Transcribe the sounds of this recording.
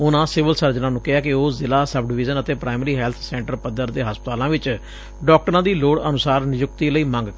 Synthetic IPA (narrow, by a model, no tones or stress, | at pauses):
ʊnãːsɪʋəlsəɾd͡ʒnãːnũːkɪɦaːkɪoːzɪlaːsəb̚ɖɪʋɪzənət̪eːpɾaːɪməɾiːɦɛːlt̪ʰsɛ̃ːɳʈəɾpəd̪əɾd̪eːɦəspət̪aːlãːʋɪt͡ʃ | ɖɔːk̚ʈəɾãːd̪iːloːɽənʊsaːɾnɪjʊkt̪iːləiːmə̃ŋɡ